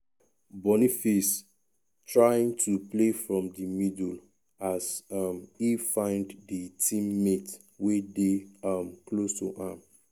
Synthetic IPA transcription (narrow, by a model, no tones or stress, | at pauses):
bɔnifis | tʰɹajĩŋtʰuplefɹɔ̃mdəmidul | asʌmifãɪ̃ndðətʰĩmːet | wedeʌmklostṵʔãm